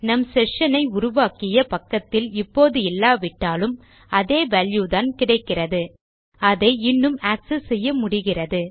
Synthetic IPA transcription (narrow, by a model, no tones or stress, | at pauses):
nɐmsɛʂɐnɐɪʊɾʊʋaːkɪjɐpɐkːɐt̪ːɪlɪpːoːðɯɛlːaːʋɪʈːaːlɯm | ɐðeːʋɐljuðaːnkɪɽɐɪkːɪrɐðɯ | ɐðeːɪnːɯmaːksɯsɛjːɐmʊɽɪɣɪrɐðɯ